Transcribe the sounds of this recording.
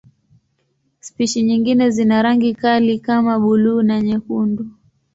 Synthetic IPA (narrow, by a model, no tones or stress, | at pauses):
spiʃiɲiŋɡinɛzinaɾaŋɡikalikamaɓuluːnaɲɛkundu